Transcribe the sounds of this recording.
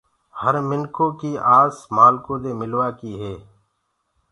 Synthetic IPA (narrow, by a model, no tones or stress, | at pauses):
həɾmɪnkõːkiːʔaːsmaːlkõːd̪eːmɪlʋaːkiːɦeː